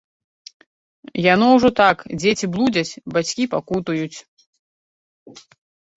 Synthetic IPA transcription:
janɔwʐɔt̪akd͡zʲet͡sʲiblˠud͡zʲɐt͡sʲbat͡sʲkʲipakut̪ujut͡sʲ

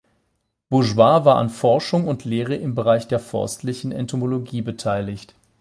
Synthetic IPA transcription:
b̥ʊʒvaːvaːɐʔa̰nfɔɐʃʊŋʊntʰleːʁ̞əʔɪmbəʁaɪçd̥eːɐfɔ̰ɐstʰlɪçn̩ɛ̰ntʰomoloɡiːbətʰaɪlɪçt

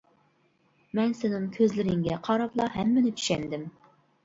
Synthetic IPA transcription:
mɛnsɪnɪŋkʲʰøzlɪɾɪŋɡʲɛqʰɑɾɑplˠɑɦɛmːɪnɪt͡ʃ̪ʰy̥ʃɛnd̪ɪm

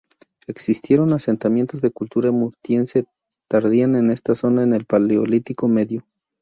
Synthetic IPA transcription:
e̞ksist̪je̞ɾo̞nase̞nt̪amje̞nt̪o̞zðekult̪uɾamuɾt̪je̞nse̞ | t̪aɾðiane̞ne̞st̪aso̞naene̞lpaleolit̪iko̞me̞ðjo

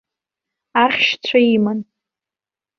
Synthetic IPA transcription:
aχʲʃt͡sʷʰaiman

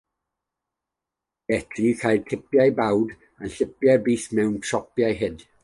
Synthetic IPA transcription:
ɛtʰrikʰajd̚tʰɪpjajbawd | anɬɪpjabiːθmɛwntʰrɔpjajɦɪd

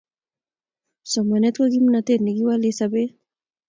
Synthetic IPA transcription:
samanet̪kaɡimnat̪eɾniɡiwalesabe

